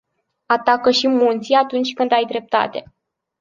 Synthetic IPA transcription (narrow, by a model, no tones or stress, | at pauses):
at̪akəʃimunt̪siat̪unt͡ʃʲkɨnd̪ajd̪ɾe̞p̚t̪a̰t̪e̞